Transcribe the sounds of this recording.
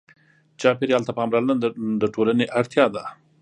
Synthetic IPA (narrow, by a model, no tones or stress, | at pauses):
t͡ʃɑpeɾealt̪apəamɾɑland̪əʈolaneʔaɽt̪jɑd̪a